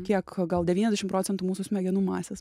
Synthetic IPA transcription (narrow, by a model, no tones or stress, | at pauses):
kʲiɛkɡɐlˠd̪ʲɛʋʲiːnʲɛzʲdʲɛʃɪmpɾoːt͡sʲɛnt̪umuːsʊsʲmʲɛɡʲɛnuːmɑːsʲɛs